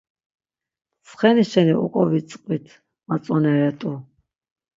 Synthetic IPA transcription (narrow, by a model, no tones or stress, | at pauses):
sχɛniʃɛniʔṵkʼɔvit͡sʼqʼvit̪ʰ | mat͡sʼɔnɛɾɛt̪ʼu